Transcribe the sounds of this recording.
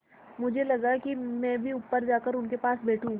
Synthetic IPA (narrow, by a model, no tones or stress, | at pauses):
mʊd͡ʒʱelɐɡakimɛ̃ːbʱiʊpːəɾd͡ʒaːkəɾʊnkepaːsbɛːʈʰũ